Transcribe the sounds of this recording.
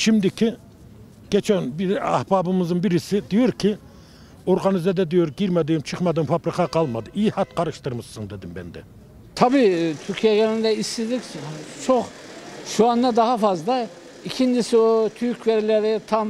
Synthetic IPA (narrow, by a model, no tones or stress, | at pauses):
ʃimd̪ikʲʰi | ɟ̥ʲɛt͡ʃʰɛnbiæ̰hbɑːbɯmɯzɯnbiɾisid̪ijoɾkʰi | oɾɡɑnizɛd̪ɛd̪ijoɾɡiɾmɛd̪imt͡ʃʰɯχmɑd̪ɯmfɑbɾikʰɑqɑlˠmɑd̪ɯʔijihɑt̪qɑɾɯʃt̪ɯɾmɯʃːɯŋd̪ed̪imbɛ̰nd̪ɛ̰ | t̪ʰɑbiːt̪ʰyɾkʰijɛɡʲɛlind̪ɛist̪id̪ikʲt͡ʃʰoχ | ʃuɑnd̪ɑd̪ɑhɑfɑzd̪ˠɑ | ikʲʰind͡ʒisiot̪ʰyɾkʰʲveɾilɛɾit̪ʰɑm